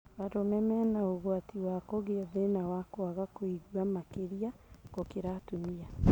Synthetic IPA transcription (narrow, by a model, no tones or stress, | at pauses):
βaɾomɛmɛnaoɣwatiwakoɣeaðenawakɔaɣakoiɣwamakeɾiakokeɾatumia